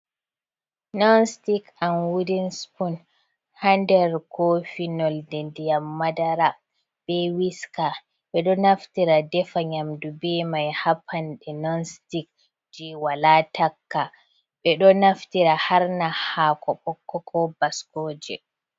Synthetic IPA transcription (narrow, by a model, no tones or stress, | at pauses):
nɔnstikanwidinspun | handɛɾkʰofinɔldɛdijamːadaɾa | b̥ɛwiska | ɓɛɗɔnaftiɾadɛfaɲamdubɛmajhapʰanɗɛnɔnstik̚ | d͡ʒiwalatakːa | ɓɛɗɔnaftiɾahaɾnahaːkɔɓɔkːɔkʰɔbaskoːd͡ʒɛ̰